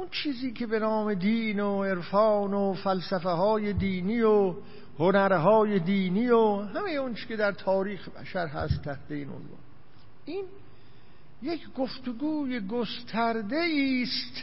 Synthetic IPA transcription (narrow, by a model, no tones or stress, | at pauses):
unt͡ʃʰiːziːkʲʰebe̞nɒːme̞d̪iːnoeɾfɒːnofælsæfeɦɒːjed̪iːniːjo | honæɾɦɒːjed̪iːniːjoɦæmejeont͡ʃʰe̥kʲed̪æɾt̪ʰɒːɾiːxebæ̰ʃæɾɦæ̰st̪ʰːæht̪e̞iːno̰nvɑ̰ːn | ʔiːn | jekʰɡoft̪oɡuːjeɡost̪ʰæɾd̪eiːst̪